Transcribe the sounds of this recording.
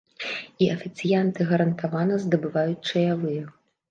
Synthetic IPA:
iʔɐfʲit̪sɨjant̪ɨɣɐɾɐnt̪avanɐzd̪ɐbɨvajut͡sʲt͡ʂɐjavɨjɛ

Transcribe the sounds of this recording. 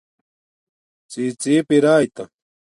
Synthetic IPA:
t͡siːt͡siːpɪɾaːjt̪a

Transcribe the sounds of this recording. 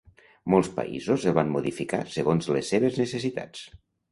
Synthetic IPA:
molˠspa̰ḭzozeβ̞anmuðifika̰səɣonzlesːeβ̞əznəsesit̪a̰t͡s

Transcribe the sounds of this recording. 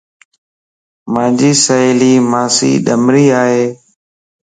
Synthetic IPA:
mãːd͡ʒiːsəiːliːmaːsḭːɗəmɾiːaːɦeː

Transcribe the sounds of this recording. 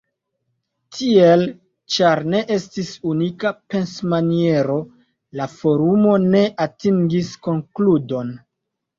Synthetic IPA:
tʰie̞l | t͡ʃaɾne̞ʔe̞stisunikape̞nsmanie̞ɾo̞ | lafo̞ɾumo̞ne̞ʔatiŋɡisko̞ŋkludo̞n

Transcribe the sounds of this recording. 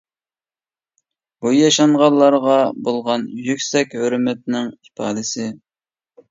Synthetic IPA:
b̥ujɑʃɑɴʁɑlˠːɑɾʁɑbolˠʁɑnjykʲsɛkʲhøɾmɛt̪̚nɪŋipʰɑːd̪ɪsɪ

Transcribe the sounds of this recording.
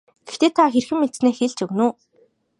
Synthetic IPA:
ɡ̥ext̪eːt̪ʰaxerxɘ̆mːet̪sneːxeɮt͡ɕɵɣnuː

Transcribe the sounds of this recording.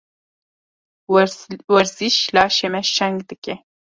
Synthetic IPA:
wɐɾziʃlɑːʃemɛʃɛŋɡd̪ɨke

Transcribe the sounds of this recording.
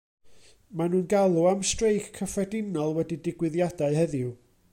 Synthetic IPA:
manuːnɡalˠuamstrejkkʰːəfwɛdɪnɔlˠwɛdidɪɡwɨðjadaɨɦɛðju

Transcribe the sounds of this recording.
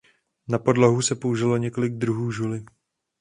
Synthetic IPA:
napo̞dloɦusɛpo̞uʒɪloɲɛko̞lɪɡ̚d̪ɾuɦuːʒulɪ

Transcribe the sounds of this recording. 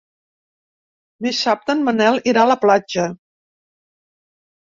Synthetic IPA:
d̪isap̚t̪ənmənɛlˠiɾaləplad͡ʒə

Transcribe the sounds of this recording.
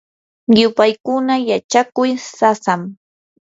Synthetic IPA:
jʊpajkʊnajat͡ʃakʊjsasam

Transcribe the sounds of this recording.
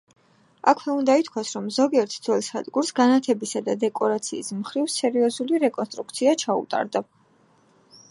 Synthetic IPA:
akʰwɛund̪ait̪ʰkʰwasɾɔmzɔɡiɛɾt̪ʰd̪zɛlˠsa̰d̪ɡuɾsɡanat̪ʰɛbisad̪ad̪ɛkʼɔɾat̪sʰiːsmχɾivsɛɾiɔzuliɾɛkʼɔnst̪ʼɾuk̚t̪sʰiat͡ʃʰaṵt̪ʼa̰ɾd̪a

